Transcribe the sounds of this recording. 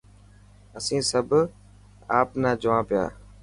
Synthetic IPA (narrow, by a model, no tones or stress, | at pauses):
əsĩːsəb | aːpnaːd͡ʒʊʋãːpɪja̰ː